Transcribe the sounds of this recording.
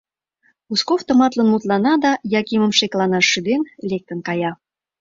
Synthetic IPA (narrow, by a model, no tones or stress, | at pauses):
uskoft̪ə̆mɑt̪lənmut̪lɑnɑd̪ɑjɑkimə̆mʃeklɑnɑʃyd̪enlek̚t̪ə̆nkɑjɑ